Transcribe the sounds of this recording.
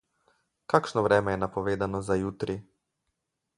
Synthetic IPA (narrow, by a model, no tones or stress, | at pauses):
kaːkʃnɔʋɾɛːmɛjɛnapɔʋeːd̪anɔzajuːt̪ɾi